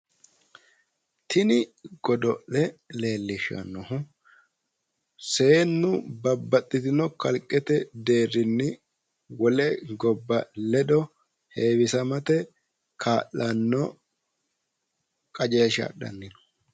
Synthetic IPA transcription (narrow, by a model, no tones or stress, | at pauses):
t̪ʰɪnɪɡ̥ɔd̪ɔʔɛle̞ːlːɪʃɐ̰nːɔhʊ | se̞ːnːʊbɐbːɐt̪ʼːɪt̪ɪnɔkɐlkʼːɛt̪ɛd̪e̞ːrːɪnːɪ | wɔlɛɡɔbːɐlɛdɔ | he̞ːwɪsɐmɐt̪ɛ | kʰaːʔːɐnːɔ | kʼɐd͡ʒeːʃa̰ɗɐ̰nːɪnɔ̥